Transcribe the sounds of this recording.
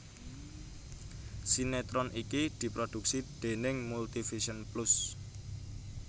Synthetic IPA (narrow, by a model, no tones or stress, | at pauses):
sinet̪ɾɔnʔikid̪̥i̤pɾod̪̥ṳk̚sid̪̥e̤nɪŋmult̪ifiʃənplʊs